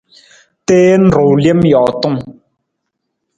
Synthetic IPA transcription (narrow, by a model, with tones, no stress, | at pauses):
tɛː˦n̩˨ɾo˨wlje˦mjɔ˨ʔtɔ˦˨ŋ